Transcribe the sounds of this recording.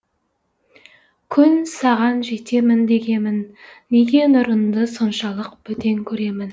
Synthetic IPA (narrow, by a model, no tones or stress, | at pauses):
kʲʰʏnsɑʁɑnʒe̞t̪e̞mɪnd̪e̞ɡʲe̞mɪnːe̞ɡʲe̞nʊɾənd̪əso̞nʃɑlˠəq̚b̥ɵt̪e̞ŋkʲʰɵɾe̞mɪn